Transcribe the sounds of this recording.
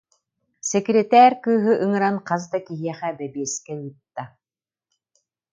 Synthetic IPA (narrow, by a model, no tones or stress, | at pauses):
sɛkɾʲɛt̪æːɾʲkɯːɦɯʔɯŋɯɾanqazd̪akiɦiɛχɛbɛbiɛskɛyːt̪ːa